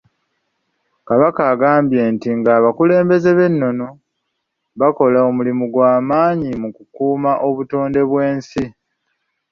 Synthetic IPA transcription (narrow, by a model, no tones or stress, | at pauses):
kaβakaːɡaːmbje̞ːntiŋɡaːβakule̞ːmbe̞ze̞βe̞nːo̞no̞ | βako̞laomulimuɡwaːmaːɲimukukuːmaʔo̞βuto̞ːnde̞βwe̞ːnsi